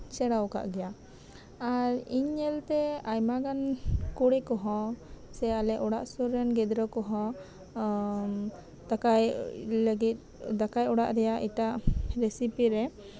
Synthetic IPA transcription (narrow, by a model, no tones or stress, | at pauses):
sɛɽawka̰ʔɡɛja | aɾiɲːɛlt̪ɛajmaɡankuɽɛkɔɦɔ̃sɛalɛʔɔɽa̰ʔsuɾɛnɡɛd̪ɾɔkɔɦɔ̃ | t̪akajləɡit̪̚ˀ | d̪akajɔɽa̰ʔɾɛjaʔiʈaʔɾesipiɾɛ